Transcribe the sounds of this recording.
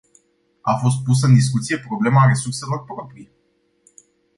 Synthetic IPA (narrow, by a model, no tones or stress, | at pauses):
afo̞st̪̚pus̬əɨnd̪is̬kut̪sije̞pɾo̞ble̞maɾe̞surse̞lo̞rpɾo̞pɾije